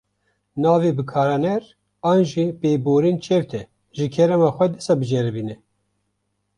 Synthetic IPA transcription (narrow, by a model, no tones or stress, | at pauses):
nɑːvebɨkʰɑːɾɑnɛɾ | ɑːnʒipeːboːɾint͡ʃʰɛvt̪ʰɛ | ʒɨkʰɛɾɛmɑːxʷɛd̪ɨsɑbɨʒɛɾbiːnɛ